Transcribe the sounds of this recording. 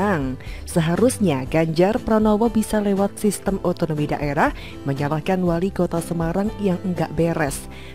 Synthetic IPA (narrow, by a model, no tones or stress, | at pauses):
aŋsəɦaɾusɲaɡaɲd͡ʒarpɾanowabisalewat̪̚sist̪əmɔt̪onomida̰ʔeɾah | məɲalahkanwalikot̪asəmaɾaŋjaŋəŋɡaʔbeɾɛs